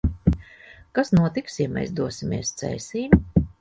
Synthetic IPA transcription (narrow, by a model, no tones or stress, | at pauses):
kasnuɔt̪iksjɛmɛ̰jsd̪uɔsimʲḛɛst̪sɛ̰jsiːm